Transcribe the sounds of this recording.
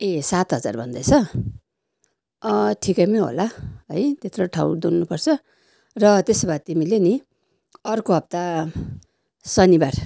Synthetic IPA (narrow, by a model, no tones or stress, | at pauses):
esat̪ɦʌd͡za̰rbʱʌnd̪ʌt͡sʰʌ | ʈʰikʌjmeɦo̰laɦʌjt̪et̪roʈʰawd̪unːupʌrt͡sʰʌ | rʌt̪esbat̪imileni | ʌrkoɦʌb̚t̪a | sʌnibar